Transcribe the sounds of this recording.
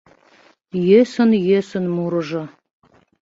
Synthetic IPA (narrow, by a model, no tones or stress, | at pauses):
jesə̆njesə̆nmuɾɤ̆ʒɤ̆